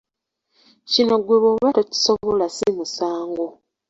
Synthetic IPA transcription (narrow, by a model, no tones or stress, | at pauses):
cino̞ɡweβwoβatoci̥soβolasimusaːŋɡo